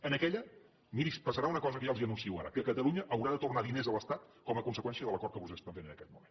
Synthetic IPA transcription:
ənəkɛʎə | miɾispəsəɾaunəkɔzəkəʒaəlˠziənunsiiwa̰ɾə̰kəkət̪əlˠuɲəʔəwɾaðət̪urnaðinezələst̪at̪kɔməkunsəkwɛnsiəðələkɔrt̪̚kəβuzespənt̪enenəkɛt̪̚mumen

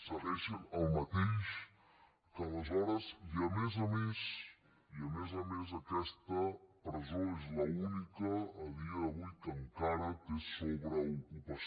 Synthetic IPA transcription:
saβeʃenɐlmat̪ejʃ | kalazɔɾɐziamezames | iamezamezakɛst̪ɐpɾezoezlaunikaːβiaːβujkaŋkaɾakesoβɾaukupas

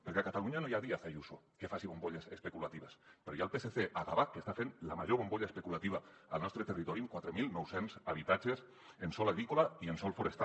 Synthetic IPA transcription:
peɾkɛakat̪aluɲanojaðiaθajusokefasiβomboʎesespekulat̪iβəspɾɔjalˠpeseθeʔaɣaβakkːest̪afenlamaʒoβomboʎaespekulat̪iβaə̰lˠnɔst̪ɾət̪erit̪ɔɾiŋkwat̪ɾemilˠnɔwsenzaβit̪ad͡ʒes | ensɔlaɣɾikolaiensɔlˠfoɾest̪a

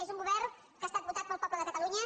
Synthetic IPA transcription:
ezuŋɡuβɛrn | kəːst̪at̪̚but̪at̪̚pəlˠpɔpləðəkət̪əluɲə

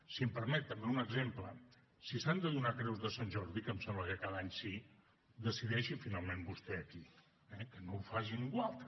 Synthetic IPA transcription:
siəmpəɾmɛt̪ːəmbeunəɡzemplə | sisand̪əðunakɾɛwzðəsanʲʒɔɾðikəmsɛmbləkəkaðəaɲsi | d̪əsiðɛʃifinalˠmembust̪ɛəki | ɛkənowfaʒiniŋɡwalˠt̪

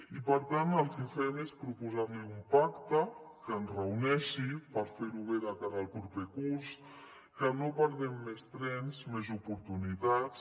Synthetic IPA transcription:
ipəɾt̪anəlˠkəfɛmespɾupuzaɾneumpakt̪əkəːnzrəunɛʃipəɾfeɾuβeðəkaɾaəːlˠpɾupekuɾs | kənopəɾðɛmːest̪ɾɛnzmezupuɾt̪unit̪at͡s

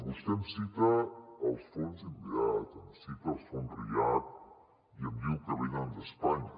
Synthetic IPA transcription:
βust̪emsit̪aːlˠsfonziβiat̪əmsit̪əlˠsfonrḭat̪̚ | iəmbiwkəβejðand̪əspaɲ

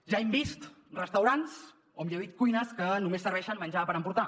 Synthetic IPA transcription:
ʒaɛmbist̪ | rəst̪əwɾans | omʎəβit̪̚kujnəskənumesːəɾβɛʃənmənʲd͡ʒapəɾəmpuɾt̪a

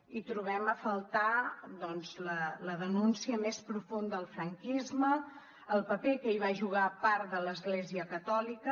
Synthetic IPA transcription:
it̪ɾuβ̞ɛməfəlˠt̪aðɔnzlələðənunsiəmespɾufund̪əlˠfɾəŋkizməː | lˠpəpekəiβ̞aʒuɣ̞apaɾðələzɣleziəkət̪ɔlikə

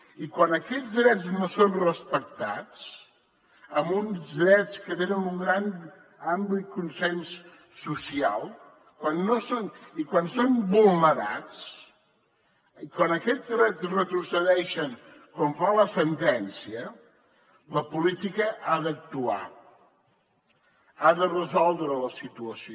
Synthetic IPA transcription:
ikwanəkɛd͡zðɾɛd͡znosonrəspək̚t̪at͡s | əmunzðɾɛt͡skət̪enənuŋɡɾan | amblikunsɛnsː | usia̰lˠ | kwanːosonikwansombulˠnəɾa̰t͡s | kwanəkɛzðɾɛt͡srət̪ɾusəðɛʃəŋ | kɔɱfaləsənt̪ɛnsiə | ləpulit̪ikəʔaðək̚t̪ua̰ | aðərəzɔlˠd̪ɾələsit̪uəs

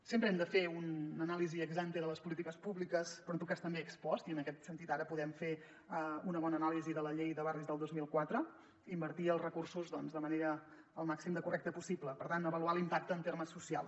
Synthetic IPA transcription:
sempɾəɛmd̪əfeunːənaliziəɡzant̪eðələspulit̪ikəspuβlikəspɾɔnt̪ukast̪əmbeəkspɔst̪iənəkɛt̪sənt̪it̪aɾəpuðɛmfe | əunəβ̞ɔnəːnaliziðələʎejðəβarizðəlˠd̪ozmilˠkwat̪ɾə | imbəɾt̪iəlˠzrəkursuzðɔnzðəməneɾəː | lˠmaksimd̪əkurɛkt̪əpusibləpəɾt̪anəβəlualimpak̚t̪əːnt̪eɾməsːusia̰lˠ

